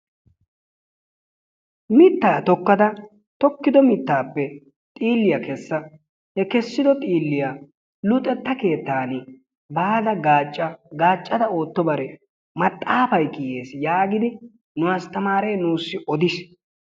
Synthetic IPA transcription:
mɪt̪ːaːt̪ɔkːɐd̪ɐ | t̪ɔkːɪd̪ɔmɪt̪ːaːpːɛ | t̪ʼiːlːɪjɐkɛsːɐ | hɛkɛsːɪd̪ɔt̪ʼiːlːɪja | lʊt̪ʼːɛt̪ːɐke̞ːt̪ːaːnɪ | baːd̪ɐɡaːt͡ʃʼːɐɡaːt͡ʃʼːɐd̪ɐo̞ːt̪ːɔbɐɾɛ | mɐt̪ʼːaːfɐjkɪjeːsjaːɡɪd̪ɪ | nʊwaːst̪ɐmaːɾejnuːsːɪʔɔd̪ɪs

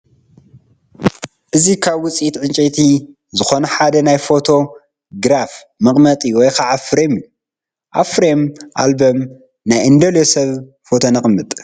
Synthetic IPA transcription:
ʔɨzikʰaβwʊt͡sʼit̪ʕɨnt͡ʃʼet̪ʰi | zɨxonɐħad̪ɐnajfo̞t̪ʰo̞ | ɡɾaf | mɨχʼmɐt̪ʼiwɔjkʰaʕafɾemju | ʔafɾemʔa̰lbom | najʔɨnd̪ɐlesɐβ | fo̞t̪ʰo̞nɐχʼmːɨt̪ʼ

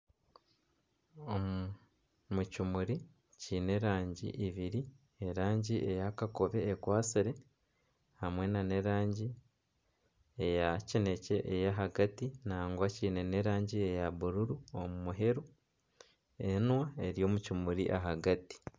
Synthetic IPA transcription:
o | mucumuɾi | ciːne̞ɾaːɲɟḭʔiβiɾi | eɾaːɲɟiʔe̞jakako̞βe̞ːkwaːt͡siɾe̞ | hamwe̞nane̞ɾaːɲɟi | ejacine̞ce̞ʔejaɦaɡatinaːŋɡwaciːne̞ne̞ɾaːɲɟiejaβuɾuɾuomumuɦe̞ɾu | enwae̞ɾijo̞ːmucumuɾḭʔaɦaɡati̥

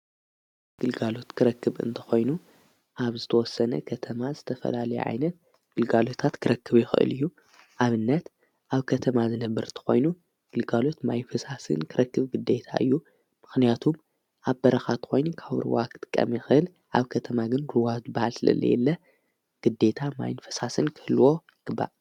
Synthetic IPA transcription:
ɡ̥ɨlɡalo̞t̪kʰɨɾɐkːɨβʔɨ̰nt̪ʰɐ̥xo̞jnu | ʔaβzɨt̪ʰɐwɔsːɐnɐ̰kʰɐt̪ʰɐmazɨt̪ʰɐfɐ̰lalɐjṵʕa̰jnɐt̪̚ | ɡ̥ɨlɡalo̞t̪ʰat̪kʰɨɾɐkʰːɨβjɪxɨʔɨ̰lɨjːu | ʔaβɨnːɐt̪ | ʔaβkʰɐt̪ʰɐmazɨnɐbːɐɾɨnt̪ʰɐ̥xo̞̰jnu | ɡ̥ɨlɡalo̞t̪majnfɨsasɨ̰nkʰɨɾɐkːɨβɡɨd̪e̞t̪ʰa̰ʔɨ̰jːu | mɨxnijat̪ʰum | ʔaβbɐɾɐxat̪kʰo̞jnkʰaβɨ̰ɾɨ̰wakɨ̥t̪ʼɨ̥kʼːɐ̰mjɪxɨɨl | ʔaβkʰɐt̪ʰɐmaɡɨnɾɨwazɨbːahalsɨlɐ̰lːɐ̰jɛ̰lːɐ | ɡ̥ɨd̪ːe̞t̪ʰama̰jnfɐ̥sasɨnkʰɨ̥hɨlːwo̞ | ɡ̥ɨbːa̰ʔ

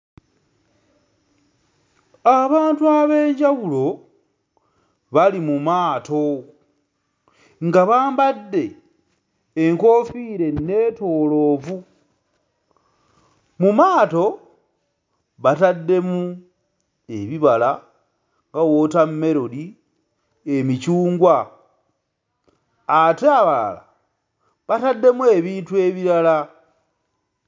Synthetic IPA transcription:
aβaːntuaβe̞ːɲɟaβulo̞ | βalimumaːto̞ | ŋɡaβaːmbadːe̞ | ŋko̞fiːɾe̞ne̞ːto̞ːlo̞ːvu | mumaːto̞ | βatadːe̞mu | eβiβala | ŋɡawo̞tame̞ɾo̞di | emit͡ʃuːŋɡwa | ateaβaa̰la̰ | βatadːe̞mue̞βiːntue̞βiɾala

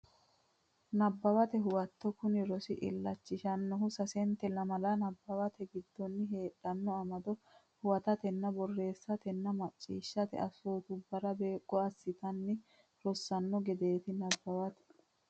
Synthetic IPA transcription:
nɐbːɐwɐt̪ɛɦʊwɐt̪ːɔkʊnɪɾɔsɪ̰ʔɪ̰lːɐt͡ʃːɪʃɐnːɔɦʊsɐsɛnt̪ːɛlɐmɐlɐnɐbːɐwɐt̪ɛɡɪd̪ːɔnːɪɦe̞ːᶑɐnːɔɐmɐd̪ɔ | hʊwɐt̪ɐt̪ɛnːɐbɔrːe̞ːsːɐt̪ɛnːɐmɐt͡sʼːḭːʃːɐt̪ɛ̰ʔɐsoːt̪ʊbɐɾɐbeːkʼːɔɐsːɪt̪ɐnːɪ | ɾɔsːɐnːɔɡɛd̪e̞ːt̪ɪnɐbːɐwɐt̪ɛ̥

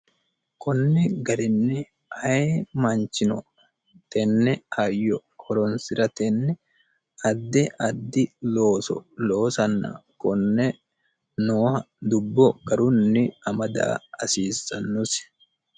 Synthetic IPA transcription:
kɔnːɪɡɐɾɪnːɛ | ɐemɐnt͡ʃːɪnɔ̰ | t̪ɛnːɛɐjːɔhɔɾɔnsɪɾɐt̪ɛnːɛ | ɐd̪ːɛʔɐd̪ːɪlo̞ːsɔ̰lo̞ːsɐnːɐ̰kɔnːɛ | noːhɐ | d̪ʊbːɔɡɐɾʊnːɪɐmɐd̪a̰ːɐsiːsɐnːʊsɪ̥

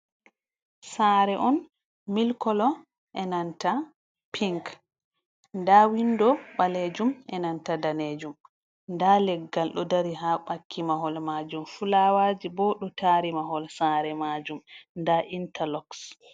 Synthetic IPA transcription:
saːɾɛʔɔn | milkɔlɔ | ʔɛnanta | pʰiŋk | ndawindɔɓaled͡ʒumɛnantadaned͡ʒum | ndalɛɡːalɗɔdaɾiɦaɓakʰːimaɦɔlmad͡ʒumfulawaːd͡ʒibɔɗɔtaːɾimaɦɔlsaːɾɛmad͡ʒumndaʔintalɔks

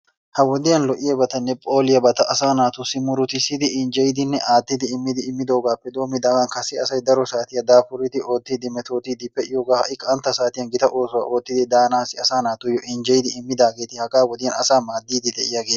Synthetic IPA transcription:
hɐwɔd̪ɪjɐnlɔʔɪjɐbɐt̪ɐnːɛpʼo̞ːlɪjɐbɐt̪ɐʔɐsaːnaːt̪ʊsɪmʊɾʊt̪ɪsɪd̪ɪɪnd͡ʒɛjɪd̪ɪnːɛʔaːt̪ːɪd̪ɪɪmːɪd̪ɪːmːɪd̪o̞ːɡaːpːɛd̪o̞ːmɪd̪aːɡɐnkɐsɪɐsɐjd̪ɐɾɔsaːt̪ɪjɐd̪aːfʊɾɪt̪ɪʔo̞ːt̪ːiːd̪ɪmɛt̪o̞ːt̪iːd̪ɪpːɛɪjɔːɡaːhɐʔɪkʼɐnt̪ːɐsaːt̪ɪjɐnɡɪt̪ɐʔo̞ːsʊwa̰ʔo̞ːt̪ːɪd̪ɪd̪aːnaːsɪɐsaːnaːt̪ʊjɔʔɪnd͡ʒɛjd̪ɪɪmːɪd̪aːɡe̞ːt̪ɪhɐɡaːwɔd̪ɪjɐnɐsaːmaːd̪ːiːd̪ɪd̪ɛʔɪjaɡeː

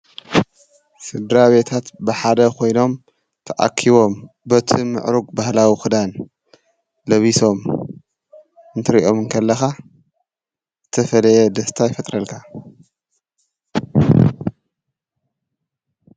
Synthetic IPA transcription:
sɨd̪ɾaβe̞t̪ʰat̪bɨħad̪ɐkʰo̞jno̞m | t̪ʰɐʔa̰kʰːiβo̞m | bɐt̪ʰimɨ̰ʕɾuɡbahlawixɨd̪an | lɐβiso̞m | ɨnt̪ʰɨɾiʔo̞mɨŋkʰɐlːɐxa | z̥ɨt̪ʰɐfɐlɐjɛd̪ɐst̪ʰajfɐt̪ʼɾɐlkʰa

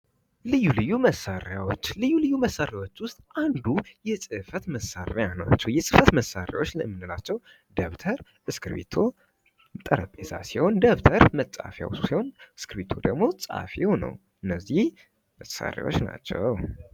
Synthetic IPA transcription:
lɨjːulɨjːuməsːaɾjawo̞t͡ʃːlɨjːulɨjːuməsaɾjawo̞t͡ʃːwʊst̪ʼand̪ujɛsʼɨfət̪məsaɾejanat͡ʃːɛwjɛsʼɨfət̪məsaɾja̰wo̞t͡ʃːlə̰mːɨnːɨlat͡ʃːɛw | d̪əβt̪ʰəɾ | ʔɨskʰɨɾbḛt̪ʰo̞ | t̪ʼəɾəpʼeza̰siho̞nd̪əβt̪ʰəɾmətʼa̰fja̰wsu̥siho̞nɨskʰɨɾbet̪ʰo̞d̪əɡmo̞t͡sʼa̰fewnə̰w | ɨnːəzːih | məa̰ɾja̰wo̞̰t͡ʃːna̰t͡ʃːɛ̰w

